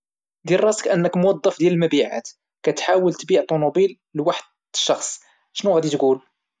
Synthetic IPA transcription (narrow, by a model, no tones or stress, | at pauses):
d̪ilrˤɑsə̥kʔənːəkmwɑd̪ˤːɑfd̪jæləlmæbiʕa̰t̪ | kæt̪ħawəlt̪biʕt̪ˤːunubil | lwaħəd̪̚ | əʃːɑxsˤ | ʃnuɣæd̪it̪ɡul